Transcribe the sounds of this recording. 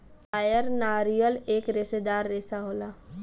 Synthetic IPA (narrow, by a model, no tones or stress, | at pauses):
paːjəɾnaːɾijəleːkɾɪsed̪aːɾːesaɦoːlaː